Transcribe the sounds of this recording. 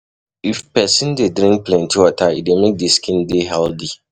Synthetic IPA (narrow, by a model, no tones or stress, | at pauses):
ifpɛsɪ̃ndedɾĩŋk̚plɛ̃ntʰiwɔtʰaḭdemek̚deskʰĩndeɦɛldi